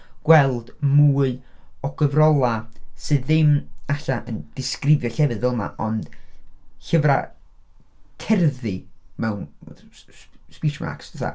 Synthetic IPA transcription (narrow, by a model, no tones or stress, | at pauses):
ɡ̥wɛlˠd̥muːlɔɡəvrɔlˠasɨðɪmaɬaʔənd̥ɪskrɪvjɔɬɛvɨðvɛlˠma̰ʔɔnd̥ | ɬəvra̰ | kʰɛrðɨmɛwn | spit͡ʃma̰ksd̥əθa̰